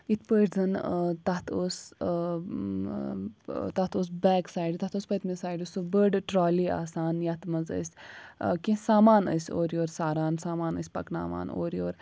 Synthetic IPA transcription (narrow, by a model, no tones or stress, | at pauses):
it̪ʰpəʈzɐnt̪ɐt̪ʰoːs | t̪ɐt̪ʰoːs̬bɛːksaːɖit̪ɐt̪oːspət̪misaːjɖʲusubəɖʈɾoːliːa̰ːsaːnjɐt̪mɐzə̰sʲkʲĩsaːmaːnə̰sʲoːɾjoːɾsaːɾaːnsaːmaːnə̰sʲpɐ̰kna̰ːʋa̰ːno̰ːɾjoːɾ